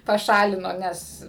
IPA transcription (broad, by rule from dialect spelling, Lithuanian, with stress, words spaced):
pɐˈʃɑːlʲɪnoː ˈnʲɛs